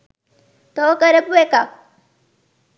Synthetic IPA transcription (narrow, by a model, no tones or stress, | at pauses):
t̪okəɾepueka